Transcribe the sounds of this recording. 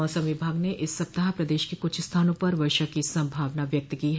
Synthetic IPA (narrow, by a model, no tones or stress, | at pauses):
ɔːsɐ̃mʋɪbʱaːɡneʔɪsːɐp̚t̪ɐɦapɾɐd̪eːʃkikʊt͡ʃʰst̪ʰaːnõpɐɾʋɐɾʃəkisɐ̃mbʱaːʋnaʋjɐk̚t̪kiɦɛ